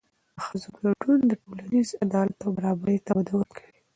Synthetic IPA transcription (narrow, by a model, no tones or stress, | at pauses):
xəzoklaɖund̪əʈolanizad̪ɑlat̪awbaɾɑbaɾit̪abad̪awəɾkʰawi